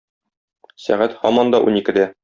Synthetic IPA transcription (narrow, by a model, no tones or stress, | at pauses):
sæ̰ʁæt̪hɒmɒnd̪ɒʔṵnikɘ̆d̪æ